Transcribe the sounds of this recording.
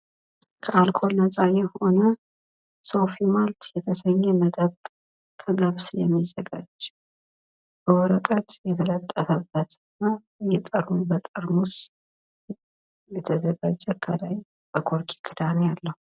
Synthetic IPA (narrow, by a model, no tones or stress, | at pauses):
kʰəalkʰo̞lnəsʼajɛho̞nə | so̞fimalt̪jɛt̪ʰəsəɲːɛməd̪əbt̪ʼ | kʰələβsjɛmːizːəɡad͡ʒ | b̥əwɔɾəkʼət̪jɛt̪ʰələt̪ʼːəfəbːət̪ɨna | jɛt̪ʼəɾunbət̪ʼəɾnus | jɛt̪ʰəd̪əɡad͡ʒɛkʰəlaj | b̥əkʰo̞ɾkʰi̥kʰɨd̪anejalːəhu